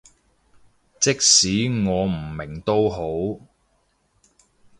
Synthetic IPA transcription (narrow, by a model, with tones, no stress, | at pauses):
t͡sɪ˥k̚siː˨˥ŋɔː˨˧m̩˨˩mɪ˨˩ŋt̪o˥wɦo˨˥w